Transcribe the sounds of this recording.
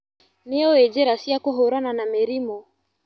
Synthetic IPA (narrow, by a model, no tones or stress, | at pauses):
nɛɔɛd͡ʒɛɾasiakɔɦɔɾananamɛɾimɔ